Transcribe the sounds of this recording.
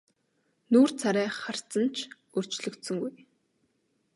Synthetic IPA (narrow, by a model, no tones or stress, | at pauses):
nuːrt͡sʰaɾæːχar̥t͡sə̆nt͡ɕʰ | ɵr̥t͡ɕɮɵ̆kt̪sɵ̆ŋɡuj